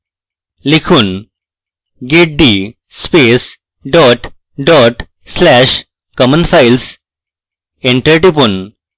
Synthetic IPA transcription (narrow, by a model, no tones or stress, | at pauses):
likʰun | ɡeʈ̚ɖi | speːs | ɖɔʈ | ɖɔʈ | slæʃ | kɔmə̃nfaɪls | ẽɳʈəɾʈipun